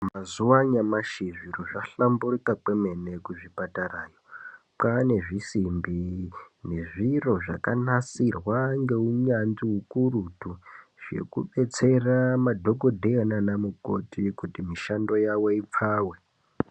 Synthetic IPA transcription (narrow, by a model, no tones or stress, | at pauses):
mazuwaɲamaʃiʐiroʐaɬamburikakeme̞ne̞kuʐipataraːjo | kane̞ʐisimbine̞ʐiro̞ʐakanasirwaŋɡe̞uɲanziɦukurutuʐ̥e̞̰kṵɓe̞t͡se̞ramadʱo̞ɡo̞dʱeananamuko̰tikutimiʃando̞jawo̞ip͡faːwe̞